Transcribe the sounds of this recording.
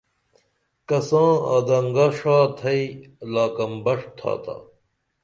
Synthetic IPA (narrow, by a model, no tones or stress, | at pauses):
kɐsãːa̰ːd̪ɐŋɡaʂaːt̪ʰɐi | laːkɐmbɐʂt̪ʰa̰ːt̪a̰